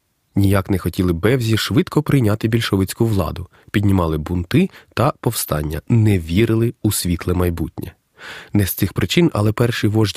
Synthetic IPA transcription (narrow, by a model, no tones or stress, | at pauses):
nʲijaknɛxɔtʲilˠɪbɛwzʲiʃʋɪd̪kʰɔpɾɪjnʲat̪ɪbʲilʲʃɔʋɪt͡sʲkʊʋlˠɑ̰d̪ʊ | pʲid̪ʲnʲimɑlˠɪbunt̪ɪt̪ɐpɔwst̪ɑ̰nʲːɐnɛʋʲiɾɪlˠɪusʲʋʲit̪lˠɛmɐjbutʲnʲʔɛ̰ | nɛst̪sɪxpɾɪt͡ʃɪnɐ̰lˠɛpɛrʃɪjʋɔʒʲ